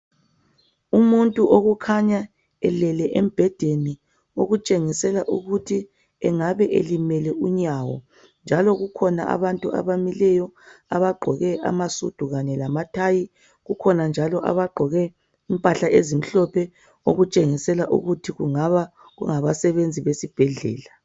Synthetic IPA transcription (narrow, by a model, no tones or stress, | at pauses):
umuntʼuʔoɣukʰaɲa | ɛlɛlɛʔem̩b̥ʱɛd̥ʱeni | oɣut͡ʃʼeŋisɛlaʔuɣutʰi | ɛŋaβɛʔḛlimɛlɛuɲawɔ̰ | nd͡ʒʱalɔɣukʰɔna̰ʔa̰βantʼua̰βamilɛjɔaβaɡ͡ǃʱɔɣɛʔa̰masṵd̥ʱuɣaɲɛlamatʰaji | ɣukʰɔnand͡ʒʱalɔʔa̰βaɡ͡ǃʱɔɣɛ | impʼaɬaʔezim̩ɬɔpʰɛ | o̰ɣut͡ʃʼeŋisɛlaʔṵɣutʰiɣṵŋaβa | ɣṵŋaβasɛβend͡zʱiβesib̥ʱɛɮɛ̰ːla